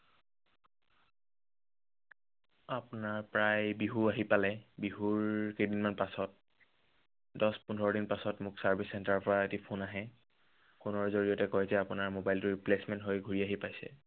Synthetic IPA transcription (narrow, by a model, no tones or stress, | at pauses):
apʊnaɹpɹajbiɦuaɦipalɛbiɦuɹkedinmanpasɔt̚ | dɔspundʱɔɹɔɾinpasɔtmʊksaɹbʱisɛntaɹɔpɔɹaetipʰunaɦɛ | xunɔɹzoɹijɔtɛkojzɛapʊnaɹmobajltʊɹiplesmɛntɦojɡʱuɹiaɦipajsɛ̰